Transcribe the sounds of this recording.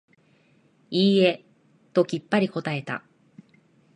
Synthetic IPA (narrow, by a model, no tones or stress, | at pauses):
iːe̞ | t̪o̞kʲipːaɾʲiko̞t̪ae̞t̪a̰